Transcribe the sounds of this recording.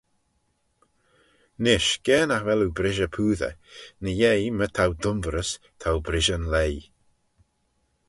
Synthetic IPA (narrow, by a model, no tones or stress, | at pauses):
nɪʃɡ̥ɛːnaxvɛlubɾɪʒəpʰuːðə̰nəjejmətʰawd̪ʊmvɾəs | tʰawbɾɪʒənlej